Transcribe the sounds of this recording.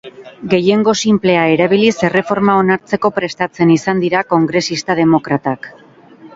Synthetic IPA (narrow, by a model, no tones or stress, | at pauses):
ɡe̞je̞ŋɡo̞simple̞ae̞ɾaβ̞ilise̞re̞fo̞ɾmao̞naɾt͡se̞ko̞pɾe̞st̪at͡se̞nisand̪iɾako̞ŋɡɾe̞sist̪að̞e̞mo̞kɾat̪ak